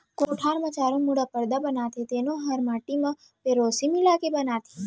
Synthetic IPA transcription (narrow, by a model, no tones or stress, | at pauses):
koʈʰaɾmət͡ʃaɾõmuɽapəɾd̪abənat̪ʰet̪enoɦəɾmaʈimã | peɾosimilakebənat̪ʰe̥